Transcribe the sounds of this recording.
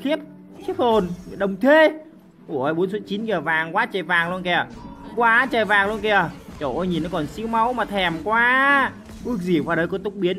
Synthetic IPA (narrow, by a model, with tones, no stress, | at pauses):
xi˦˥əp̚ | t͡ɕi˦˥k̚ho˧˩n˨ɗə˨˩wŋ͡mt̪ʰwe˧˩ | ʔu˧˩əʔəː˨˧˩jɓo˨˦nsu˦˥n̚t͡ɕi˨˦nki˧˩ə˩vaː˨˩ŋkwaː˨˦t͡ɕəː˨˩jvaː˨˩ŋlu˧nkɛ˧˩ə˩kwaː˨˦t͡ɕəː˨˩jvaː˨˩ŋlu˧ənkɛ˧˩ət͡ɕo˧˩ʔo˧jɲi˨˩nɔ˨˦kɔ˨˩nsi˧əwma˨˦wmaː˨˩t̪ʰɛ˨˩mkwaː˨˧˦ | ʔɨ˦˥ək̚zi˨˧˩vaː˨˩ɗə˨˧jkɔ˨˦t̪ʊ˦˥k͡p̚ɓi˨˦ən